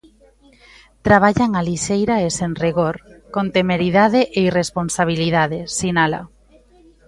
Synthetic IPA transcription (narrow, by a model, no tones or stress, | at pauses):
t̪ɾaβ̞aʎaŋaliʃejɾaeseŋriɣoɾkont̪emeɾiðaðeʔeiresponsaβ̞iliðaðesinala̰